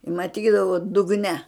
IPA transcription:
mɐˈtʲiːdɐʋʊ dʊɡˈnʲɛ

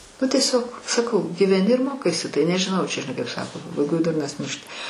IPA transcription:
ˈnʊ tʲiɛˈsʲoːk sɐˈkɐʊ ɡʲiːʋʲɛˈnʲɪ ɪr ˈmoːkɐɪsʲɪ ˈtɐɪ nʲɛʒʲɪˈnɐʊ t͡ʃʲɛ ʒʲɪˈnɐɪ kɐɪp ˈsɑːkoː pɐbɐɪˈɡoːj ˈdʊrnɐs ˈmʲɪrʲʃʲtʲɪ

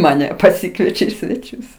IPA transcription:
mɐˈnʲɛ pɐˈsʲɪkʋʲiɛt͡ʃʲɛ iː sʲʋʲɛˈt͡ʃʲʊs

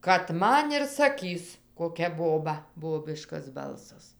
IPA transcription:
kɐt ˈmɐn ɪr sɐˈkʲiːs koːˈkʲɛ ˈboːbɐ ˈboːbʲɪʃkɐs ˈbɐlˠsɐs

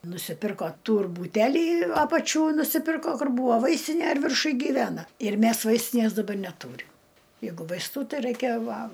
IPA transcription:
nʊsʲɪˈpʲɪrkoː ˈtuːr buːˈtʲæːlʲɪ ˈɑːpɐt͡ʃʲuː nʊsʲɪˈpʲɪrkoː ˈkʊr ˈbʊʋoː ˈʋɐɪsʲtʲɪnʲeː ɪr ʋʲɪrˈʃʊj ɡʲiːˈʋʲæːnɐ ɪr ˈmʲæs ˈʋɐɪsʲtʲɪnʲeːs dɐˈbɐr nʲɛˈtuːrʲɪm ˈjɛɪɡʊ ʋɐɪsˈtuː ˈtɐɪ ˈrɐɪkʲɛ ˈʋɐ

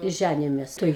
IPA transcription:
ˈʒʲænʲɪjoːmʲeːs tɐɪ

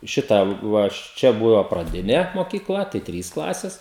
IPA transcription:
ˈʃʲɪtɐ ˈʋɐ ɐʃ ˈt͡ʃʲɛ bʊʋɐ prɐˈdʲɪnʲɛ moːkʲiːˈklˠɐ tɐɪ ˈtʲrʲiːs ˈklˠɑːsʲɛs

